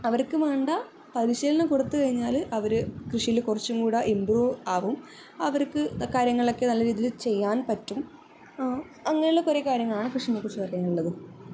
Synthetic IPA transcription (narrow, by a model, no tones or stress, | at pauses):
ɐʋɐrkɨʋeːɳɖɐ | pɐɾiɕiːlɐnɐkuɽɐt̪ːɨkɐɻiɲːaːlʔɐʋɐɾɨkrɨʂijilkurɐt͡ɕːumkuːɽɐʔimbruːaːʋum | ɐʋɐrkɨkaːɾjɐŋːɐɭo̞kːenɐlːɐɾiːðilt͡ɕe̞jːaːnpɐtːum | ɐŋːɐneuɭːɐkoɾekaːɾjɐŋːɐɭaːɳɨkrɨʂijnːɐkurt͡ɕːupɐrɐjaːnuɭːɐðɨ